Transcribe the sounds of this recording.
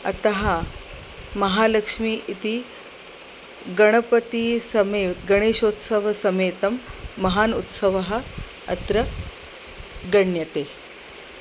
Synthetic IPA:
ɐ̰t̪ɐɦa | mɐɦaləkʂmiːʔit̪iː | ɡɐɽ̃əpət̪iːsɐmeɡəɽ̃eːʃot̪səʋɐsɐmet̪ɐmːɐɦaːnut̪səʋɐɦa̰ː | t̪ɾɐ | ɡəɳjɐt̪e

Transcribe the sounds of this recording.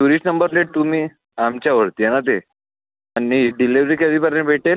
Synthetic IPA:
uɾisʈnəmbəɾleʈ̚t̪umiː | amt͡ɕjaʋəɾt̪ianat̪̬e | anːiɖiliʋɾiːkaʋipəɾẽbʱeʈel

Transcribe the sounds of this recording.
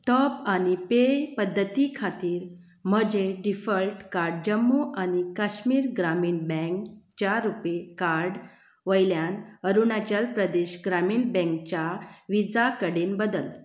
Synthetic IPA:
ʈɔpanipepəd̪ʱːət̪ikʰat̪iːɾ | m̤əd͡ʑeɖifəlʈkaɾɖd͡ʑəmːuʔañikaɕmiːɾɡɾamiːnbɛ̃ŋkt͡ɕjaɾupekaɾɖ | ʋəjljanəɾunat͡ɕjalpɾəd̪eɕɡɾamiːnbɛ̃ŋk̚t͡ɕjaʋid͡zakəɽenbəd̪əl

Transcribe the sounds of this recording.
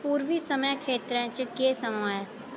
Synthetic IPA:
puːɾʋisəməjkʰeːt̪ɾɛ̃t͡ʃkeːsəmaːe

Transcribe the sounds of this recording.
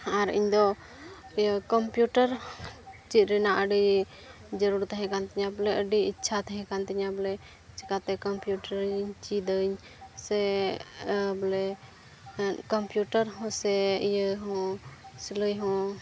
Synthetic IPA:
aɾḭɲd̪ɔ | kɔmpjuʈəɾ | t͡ʃit̪̚ɾɛnaʔəɖi | d͡ʒəɾuɾt̪ɦɛ̃kant̪ɛɲablɛəɖiitːt͡ʃʰat̪əɦɛ̃kant̪iɲablɛ | t͡ʃɛkat̪ɛkɔmpjuʈəɾɲt͡ʃid̪əɲ | sɛ | blɛ | kɔmpjuʈəɾɦɔ̃sɛjəɦɔ̃siləjɦɔ̃

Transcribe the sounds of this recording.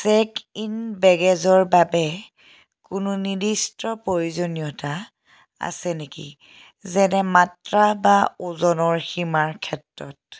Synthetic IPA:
sɛkinbɛɡɛzɔɹbabɛ | kʊnʊnidistɹɔpɹojuzonijɔta | a̰sɛnekḭ | zɛnɛmatɹabauzɔnɔɹximaɹkʰɛtɹɔt̚

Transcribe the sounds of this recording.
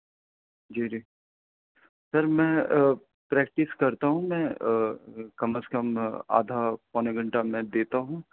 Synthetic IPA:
d͡ʒiːd͡ʒiː | sɐɾmɛ̃ː | pɾɛːk̚ʈɪskɐɾt̪aɦũmɛ̃ː | kɐməskɐma̰ːd̪ʱapɔneɡɐ̃ɳʈamɛ̃d̪eːt̪aɦũ

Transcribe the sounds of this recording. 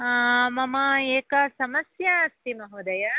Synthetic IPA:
mɐmɐeːkɐsɐmɐsjɐːst̪imɐɦud̪ɐjɐ

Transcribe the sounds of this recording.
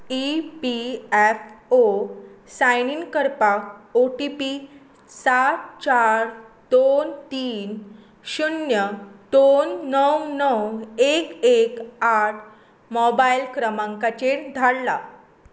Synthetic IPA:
ipiɛfosajninkəɾpakoʈipi | sat̪̚t͡ɕaɾ | d̪ont̪iːn | ɕunjəd̪̥onːəwnəwekekaʈʰ | mɔbajlkɾəmãŋkat͡ɕeɾd̪ʱaɽla

